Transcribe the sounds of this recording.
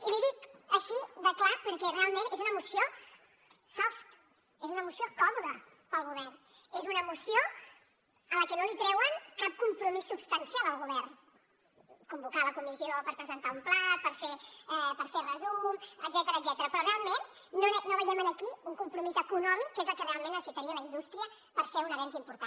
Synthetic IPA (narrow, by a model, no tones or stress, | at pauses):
liðikəʃiðəklapəɾkɛrealˠmẽnezunəmusio | sɔft̪ | ezunəmusiokɔβuðə | pəlˠɣuβ̞ɛrn | ezunəmusio | ələkənolit̪ɾɛwənkap̚kumpɾumisːubst̪ənsialˠəlˠɣuβɛɾn | kumbukaləkumiziopəɾpɾəzənt̪aumplapəɾfeɛpəɾferəzuməɡzɛt̪əɾəːɡzɛt̪əɾəpɾɔrealˠmenː | onoβəjɛmənəkiuŋkumpɾumizəkunɔmikːezəlˠkərealˠmẽnəsit̪əɾiələind̪ust̪ɾiə | pəɾfeunəβɛnzimpuɾt̪a